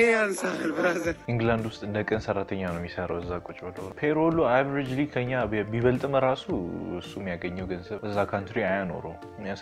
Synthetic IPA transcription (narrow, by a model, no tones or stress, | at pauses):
eansahalbɨɾazənʔiŋɡland̪wʊst̪ʼɨnd̪əkʼənsərːat̪ʰəɲːanəwmjisəɾawəzːakʼut͡ʃʼbəloɾəpʰeɾoluavɾid͡ʒlikʰəɲːabiβəlt̪ʼməɾasuɨsːumːijaɡəɲːɛwɡənzəβəzːakʰant̪ɾiajano̰ɾo | mjas